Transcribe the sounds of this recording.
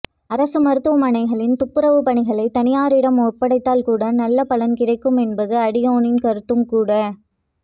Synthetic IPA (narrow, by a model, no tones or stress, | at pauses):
ɐɾɐsɯmɐɾɯt̪ːɯʋɐmɐɳɐɪɣɐɭɪnt̪ʊpːɯɾɐʋɯpɐɳɪɣɐɭɐɪt̪ːɐnɪjaːɾɪɽɐmɔrpɐɽɐɪt̪ːaːlkuːɽɐnɐlːɐpɐlɐnkɪrɐɪkːɯmɛnbɐðɯɐɽɪjoːnɪnkɐɾɯt̪ːɯmkuːɽɐ